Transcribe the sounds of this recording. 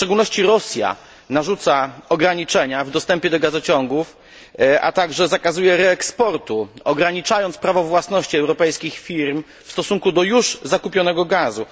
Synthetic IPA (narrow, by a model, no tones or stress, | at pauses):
fʂt͡ʂɛɡulnɔɕt͡ɕiɾɔsʲja̰ | naʐut̪saɔɡɾaɲit͡ʂɛɲavd̪ɔst̪ɛmpʲjɛd̪ɔɡazɔt͡ɕɔŋɡuf | ʔa̰t̪aɡʐɛzakazujɛɾɛːkspɔɾt̪uɔɡɾaɲit͡ʂajɔnt̪spɾavɔvwasnɔɕt͡ɕiɛwɾɔpɛjskʲixfʲiɾm | fst̪ɔsuŋkud̪ɔjuʐzakupʲjɔnɛɡɔɡazu